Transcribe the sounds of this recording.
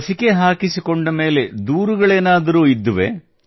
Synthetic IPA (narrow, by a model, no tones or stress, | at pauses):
sike̞ɦaːkisikoɳɖɐme̞ːle̞d̪uːɾuɡɐɭeːnaːd̪ɐɾuːid̪ːuʋḛ